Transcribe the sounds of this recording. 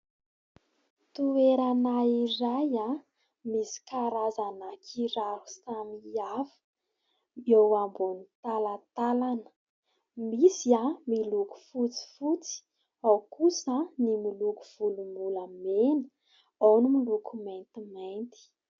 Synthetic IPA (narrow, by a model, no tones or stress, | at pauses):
t̪ueɾanairaja | misi̥kaɾazanakʰiɾaɾu̥samiavə̥ | ewambunit̪alat̪alanə̥ | misiamiluku̥fut͡si̥fut͡si̥ | awkusənimiluku̥v̥ulumbuləmenə̥ | awnimilukʰumajnt̪imajnt̪i̥